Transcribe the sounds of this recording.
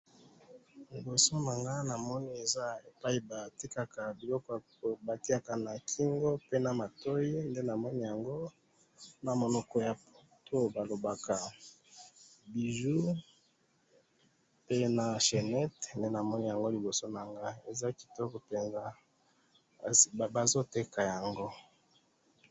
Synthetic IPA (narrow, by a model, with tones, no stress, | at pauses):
li˨bo˨so˦na˨ŋɡa˦na˨mɔ˦ni˦e˨za˦e˨pa˦i˦ba˨ti˦ka˨ka˨bi˨lɔ˦kɔ˦˨ | ba˨ti˦a˨ka˨na˨kʰi˦ŋɡo˦pe˦na˨ma˨to˦ji˦nde˦na˨mɔ˦ni˦ja˨ŋɡo˦ | na˨mo˨nɔ˨kɔ˦ja˨p | to˦ba˨lo˨ba˨ka˨ | bi˨ʒu˦ | pe˦na˨ʃe˨nɛ˦tnde˦na˨mɔ˦ni˦ja˨ŋɡo˦li˨bo˨so˦na˨ŋɡa˦˨˦e˨za˦ki̥˨tɔ˦kɔ˨pe˨nza˦˨ | ba˨zo˦te˦ka˨ja˨ŋɡo˦